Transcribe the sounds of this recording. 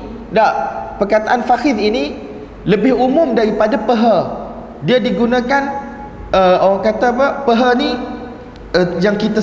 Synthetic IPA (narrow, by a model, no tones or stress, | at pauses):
daʔpərkat̪aʔanfaxɪðini | ləbɪhumʊ̃mdaɾipadapəɦa | diadiɡunãkan | əoɾaŋkat̪apəpəɦani | əjaŋkit̪a